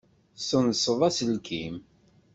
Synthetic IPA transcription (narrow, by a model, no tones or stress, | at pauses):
sənsəðˤæsəlkʰim